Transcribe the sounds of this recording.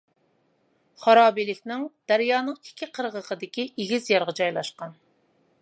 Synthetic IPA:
χɑɾɑːbilɪkʲnɪŋd̪̥æɾjɑːnəŋi̥kʲʰːiqʰəɾʁəqʰəd̪ɪkʲiʔeɡʲizjɑɾʁəd͡ʒɑjlˠɑʃqɑn

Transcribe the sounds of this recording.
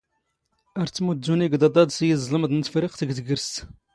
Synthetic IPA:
æɾt̪t͡s̪ːmud̪ːuniɡd̪ɑd̪ˤɑd̪sjəzˤləmd̪nət̪fɾiqt̪əɡt̪ɡəɾst̪

